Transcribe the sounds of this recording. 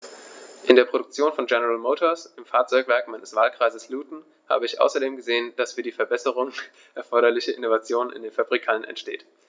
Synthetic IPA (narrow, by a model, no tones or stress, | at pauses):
ʔɪndeːɐpʁ̥oɾʊk̚t͡sjoːnfɔnɡɛnəʁalmoːtʰoɐsɪmfaɐt͡sɔʏkv̥ɛɐkmaɪnəsv̥aːlkʁ̥aɪzəsluːtn̩ | ha̰ːbəɪçʔa̰ʊsɐdeːmɡəzeːənd̥asfyːɐdiːfɛɐbɛsəʁ̞ʊŋə | ʔɛɐfɔɐɾɐlɪçɐʔɪnovat͡sjoːnɪ̰ndeːnfabʁikʰalənɛ̰ntʃtḛːt